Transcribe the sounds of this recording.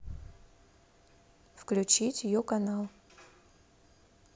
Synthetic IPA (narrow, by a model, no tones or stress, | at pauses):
fklʲʉt͡ɕitʲjɪjokɐnalˠ